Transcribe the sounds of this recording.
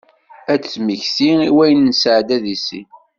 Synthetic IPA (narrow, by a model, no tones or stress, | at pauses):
æt͡sːmiçsiiwæjənːsʕd̪æðisḭ